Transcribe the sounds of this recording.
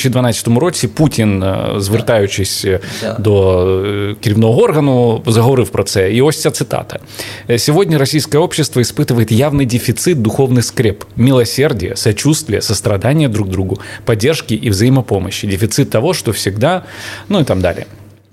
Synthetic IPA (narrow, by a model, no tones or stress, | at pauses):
t͡ɕɪd̪vɐnaɪ̥t̪əmʊɾo̞sʲɪputʲɪnzvʲɪrt̪ajʉɕːɪsʲd̪o | kʲɪɾʲɪvnovəo̞rɣənʊzəɣəvɐɾɨfpɾɐt̪sɛiosʲtʲət̪sɨt̪a̰t̪ə̥ | sʲɪvo̞dʲnʲəɾɐsʲijskəjəo̞pɕːɪst̪vəɪspɨt̪ɨvəjɪt̪javnɨjdʲɪfʲɪt̪sɨt̪̚d̪ʊxo̞vnɨjskɾʲepmʲɪlˠɐsʲe̞rdʲɪjə̰sɐt͡ɕust̪vʲɪjəsəst̪ɾɐd̪anʲɪjəd̪ɾuɡ̚d̪ɾuɡʊpɐdʲːerʂkʲɪʔivzɐjiməpo̞məɕːɪdʲɪfʲɪt̪sɨt̪ːɐvo̞ʂt̪ofsʲɪɡd̪anuɪt̪amd̪a̰lʲɪ̰jə